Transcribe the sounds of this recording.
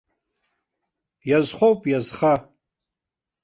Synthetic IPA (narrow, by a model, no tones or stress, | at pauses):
jazχʷowpʼjazχa